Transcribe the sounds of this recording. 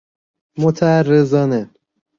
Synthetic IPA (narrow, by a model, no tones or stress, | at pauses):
mot̪ʰæærːezɒːne